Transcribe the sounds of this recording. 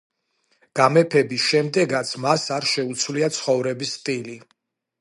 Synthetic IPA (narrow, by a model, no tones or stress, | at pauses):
ɡ̥amɛpʰɛbisʃɛmd̪ɛɡat̪sʰmasaɾʃɛut̪sʰwliat̪sʰχɔvɾɛbisːt̪ʼili